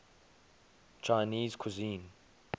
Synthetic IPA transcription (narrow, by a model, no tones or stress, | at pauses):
t͡ʃʰaniːzkʰuzĩːn